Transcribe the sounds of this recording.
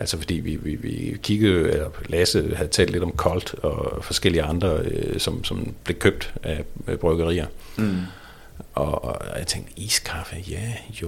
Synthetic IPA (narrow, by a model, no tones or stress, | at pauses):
ʔælsɐfɒ̽d̥ḭːʋḭʋiʋḭkʰiɡ̥əð̩ˠelɐleːsð̩ˠhæð̩ˠt͡sʰɛ̰ːld̥le̝d̥ɒ̽mkʰɒ̽ld̥ɒ̽fɒ̽sɡ̥el̰iəɑ̈nd̥ʁɐøsɒ̽msɒ̽mb̥le̝kʰøb̥̚d̥æb̥ʁœɡ̥ɐʁḭːɐ | ʔɒat͡sʰeŋɡd̥ḭːskʰɑ̈fəjæjo